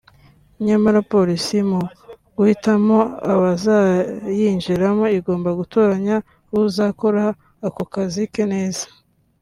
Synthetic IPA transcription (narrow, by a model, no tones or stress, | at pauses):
ɲamaɾapo̞ɾisimo | ɡ̥uhitamoaβazajiɲʒiɾamo̞iɡo̞ːmbaɡuto̞ːɾaɲa | uzako̞ɾaː | kokazikene̞ːzḁ